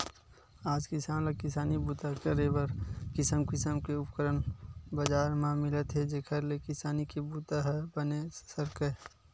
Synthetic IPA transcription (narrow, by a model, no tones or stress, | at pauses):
aːd͡ʒkɪsaːnləkɪsaːnibuːt̪akəɾebəɾkɪsəmkɪsəmkeʊpkəɾənbəd͡ʒaːɾmãmɪlət̪ɦɛd͡ʒekʰəɾlekɪsaːnikebuːt̪aɦɛbənesəɾkə